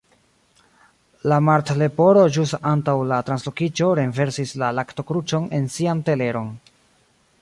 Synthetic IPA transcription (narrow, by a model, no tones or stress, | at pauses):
lamaɾtle̞po̞ɾo̞d͡ʒustantawlatɾanslo̞kit͡ʃo̞ɾenve̞ɾsislalakto̞kɾut͡ʃo̞ne̞nsiante̞le̞ɾo̞n